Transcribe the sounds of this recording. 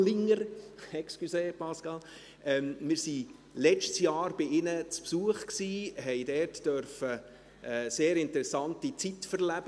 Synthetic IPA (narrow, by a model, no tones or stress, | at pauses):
lɪŋəɾɛkskyseːpɑskɑl | ʔɛmmɪːɾsi | lɛt͡ʃtsjɑːɾb̥ɪɪnət͡spsuəχksiːɦɛɪdɛːrtd̥œɾfə | əseːɾɪntəɾɛsɑntit͡sitfəɾlæb̥ə